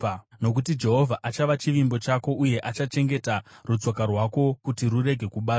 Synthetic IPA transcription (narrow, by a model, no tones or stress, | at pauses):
no̞kutid͡ʒe̞ɦo̞vʱaʔat͡ʃaʋat͡ʃiʋimbo̞t͡ʃako̞ʔuje̞ʔat͡ʃat͡ʃe̞ŋɡe̞tarut͡sokarwako̞kutirure̞ɡʱe̞kuɓaː